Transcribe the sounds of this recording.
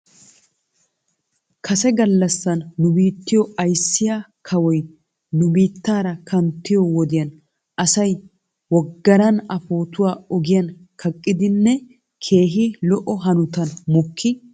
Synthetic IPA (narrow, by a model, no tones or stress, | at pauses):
kʰɐsɛɡɐlːɐsːɐnːʊbiːt̪ːɪjɔɐjsːɪjakʰɐwɔj | nʊbiːt̪ːaːɾɐkʰɐnt̪ːɪjɔwɔd̪ɪjɐn | ʔɐsɐj | wɔɡːɐɾɐnɐfo̞ːt̪ʊwaːɔɡɪjɐnkʰɐkʼːɪd̪ɪnːɛ | kʰe̞ːɦɪlɔʔɔɦɐnʊt̪ɐnmɔkʰːɪ